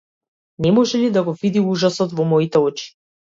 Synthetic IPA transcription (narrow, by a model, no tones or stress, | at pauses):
nɛmɔʒɛlid̪aɡɔvid̪iuʒasɔt̪vɔmɔit̪ɛɔt͡ʃi̥